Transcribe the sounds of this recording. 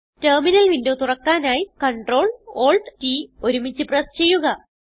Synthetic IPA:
terminɐlʋindoːt̪urɐkːaːnaːjikɐɳʈro̞ːɭo̞ːɭɖtio̞ɾumit͡ɕːɨprɐst͡ɕe̞jːuɣɐ

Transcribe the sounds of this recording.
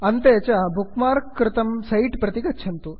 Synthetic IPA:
ɐnt̪əjat͡ɕjabʱukmaɾkːɾɪt̪əmsɐiʈpɾɐt̪ikɐt̪ːɕʰɐnt̪o

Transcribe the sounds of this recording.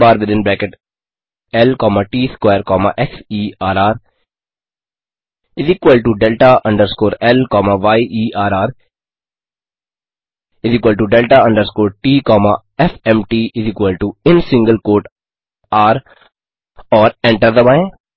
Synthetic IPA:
baːɾʋɪd̪ɪ̃nbɾɛ̃ːkeʈ | ɛlkɔːmaʈiːskweːɾkɔːma̰ʔɛsiːaːɾaːɾ | ɪziːkʋəlɖʈuɖɛlʈaʔɐ̃ɳɖəɾskoːɾɛlkɔːmaʋaɪʔiːʔaːɾaːɾ | ɪziːkwəlʈuɖɛlʈaɐ̃ɳɖəɾskoːɾ̚ʈiːkɔːma̰ | ɛfɛ̃mʈiːɪziːkwəlɖʈuɪ̃nsɪ̃ŋɡəlkoːʈ | aːɾ | ɔːɾɛ̃ɳʈəɾd̪əmã

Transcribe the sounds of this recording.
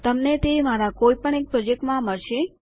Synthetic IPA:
t̪əmnet̪emaɾakoipəɳek̚pɾɔd͡ʒek̚ʈmãməɭʃe

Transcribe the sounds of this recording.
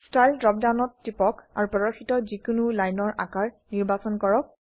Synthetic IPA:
stajldɹɔp̚dawnɔtːipɔka̰ɹupɔɹɔxitɔzikʊnulajnɔɹʔa̰kaɹ | niɹbasɔnkɔɹɔk̚

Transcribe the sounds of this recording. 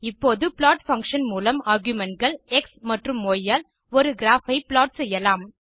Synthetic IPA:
ɪpːoːðɯpɪlaːʈfɐŋkʂɐnmuːlɐmaːɾɡjʊmɛnʈɡɐɭɛksmɐʈrɯmːoːjːaːl | ɔɾɯɡɪɾaːfɐɪplaːʈsɛjːɐlaːm

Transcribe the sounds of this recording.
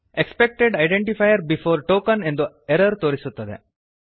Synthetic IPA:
ekspek̚ʈeɖaɪɖẽɳʈifajəɾbifoːɾʈoːkənɛ̃nd̪ə | eɾəɾt̪oːɾisut̪ːɐd̪ḛ

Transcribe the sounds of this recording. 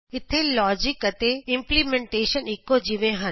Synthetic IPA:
ɪt̪ʰelɔːd͡ʑɪkət̪eɪ̃mplimẽɳʈeːʃənɪkːod͡ʑiʋẽɦən

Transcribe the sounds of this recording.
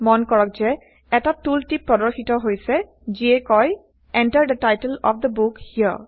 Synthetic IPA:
mɔnkɔɹɔk̚zɛ | ɛtatultipːɹɔdɔɹxitɔɦojsɛ | ziɛkɔj | ɛntəɹd̪ətajtəlɔfd̪əbukhiə̰ɹ

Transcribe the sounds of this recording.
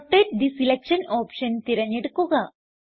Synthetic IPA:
t̪ːet̚ɖisilekʂɐnoːpʂɐnt̪iɾɐɲːeɽukːuɣɐ

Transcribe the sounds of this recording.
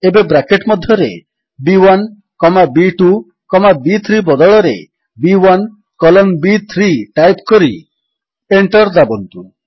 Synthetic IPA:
ebebɾakeʈmɔd̪ʱjɔɾḛ | biwan | kɔmabiʈu | kɔmabit̪ʰɾibɔd̪ɔɭɔɾḛ | biwan | kɔlɔmbit̪ʰɾiʈajpkɔɾi | eɳʈɔɾd̪abɔnt̪u

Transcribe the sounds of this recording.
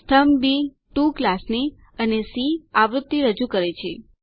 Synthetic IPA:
t̪ʰəmbi | ʈuklasni | ənesiaʋɾʊt̪ːiɾəd͡ʒukəɾet͡ʃʰe

